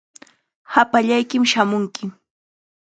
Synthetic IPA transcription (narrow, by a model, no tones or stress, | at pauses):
hapaʎajkɪmʃamʊŋkɪ